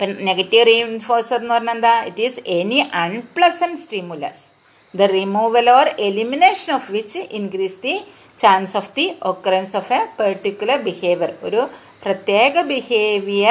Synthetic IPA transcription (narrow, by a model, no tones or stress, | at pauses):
pɐneɡɐtːiʋrinfoːrseenːɨpɐrɐɲːend̪aːiʈiseniʔɐɳɖplɐsɐnɖsʈimjulɐ̰s | d̪ɐrimuːʋɐloɾelimineːʂɐnofʋit͡ʃinkɾiːsd̪i | t͡ɕãːnsofd̪iʔokːɐɾensofepɐɾʈːikʲːjulɐɾbiheːʋjɐro̰ɾu | prɐt̪jeːɡɐbiheːʋijɐ